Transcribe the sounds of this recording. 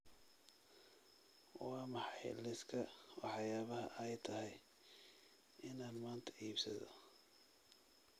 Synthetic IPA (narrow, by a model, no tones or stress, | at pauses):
wɑːmɑħɑjlɪskʰɐwɑħjaːβɐɦɐʔɛjt̪ʰɐɦɛj | ɪnad̪maːnt̪ʰɐ̥iːbsɐ̰ðɔ̰